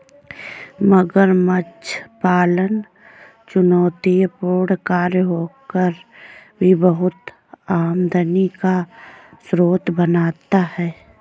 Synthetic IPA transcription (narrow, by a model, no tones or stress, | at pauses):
məɡəɾmət͡ʃʰpaːlən | t͡ʃʊnɔːt̪ijpoːɽkaːɾjɦoːkəɾbʱibəɦʊt̪ | aːmd̪ʱənikasɾoːt̪bənaːt̪ahɛː